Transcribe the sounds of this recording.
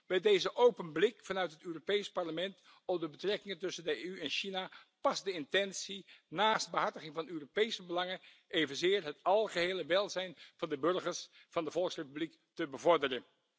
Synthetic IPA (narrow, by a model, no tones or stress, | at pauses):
bɛjdejzəʔowpənblɪkfɑnœɥtɦətøːropejspɑɹləmɛnt | ɔmdəbətrɛkɪŋəntɵsəndəeyɛnʃinapɑsdəɪntɛnsinaːsd̚bəɦɑɹtəχɪŋvɑnøːropejsəbəlɑŋə | ʔejvənzɪːɹɦətɑlˠχəɦejləʋɛlˠzɛjnvɑndəbɵɹχəɹs | v̥ɑndəvɔlˠksrejpyblik | təbəvɔɹdərən